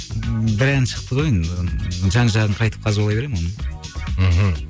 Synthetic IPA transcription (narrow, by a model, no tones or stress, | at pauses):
bɪɾænʃəq̚t̪əʁojənʒɑɴʒɑʁəɴqʰɑjt̪əp̚qʰɑzɪwolˠɑjbe̞ɾemonəm̩ɦ̩